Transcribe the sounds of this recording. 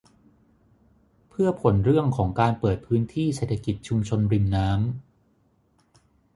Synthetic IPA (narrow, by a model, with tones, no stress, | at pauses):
pʰɯ˥˩ɐpʰo˩˦nɾɯ˥˩əŋkʰɔː˩˦ŋkaː˧npɤː˨˩t̪̚pʰɯː˦˥nt̪ʰiː˥˩seː˨˩t̪ʰa˧ki˨˩t̪̚t͡ɕʰu˧mt͡ɕʰo˧nɾi˧mnaː˦˥m